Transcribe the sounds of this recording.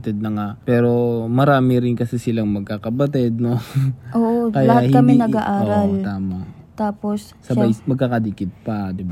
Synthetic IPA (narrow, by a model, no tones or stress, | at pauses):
t̪ɛd̪̚nɐŋaʔpɛːɾo̞mɐɾaːmɪɾɪnkɐsɛsɪlaŋmɐɡ̚kakɐbɐt̪ɛd̪̚noʔoːʔokɐjɐhah̪kɐmɛnɐɡaʔaːoɾɐlt̪aːmɐt̪aːpos | sɐbajsmɐɡ̚kakɐd̪ikɪt̪̚pɐd̪ɪba